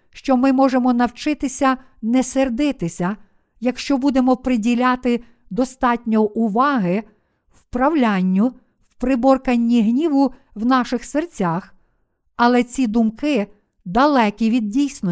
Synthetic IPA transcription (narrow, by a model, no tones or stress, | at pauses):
ʃt͡ʃɔmɪmɔʒemɔnɐwt͡ʃɪt̪ɪsʲɐ | nɛserd̪ɪt̪ɪsʲɐ | jɐkʃt͡ʃɔbud̪e̞mɔpɾɪdʲilʲɑt̪ɪ | d̪ɔst̪ɑtʲnʲɔʔʊʋɑɦɪ | wpɾɐwlʲanʲːʊ | wpɾɪbɔrkɐnʲːiɦnʲiʋʊ | wnɑʃɪxsert͡sʲax | ɐlˠɛt͡sʲid̪ʊmkɪ | d̪ɐlˠɛkʲiʋʲid̪̚dʲijsʲnɔ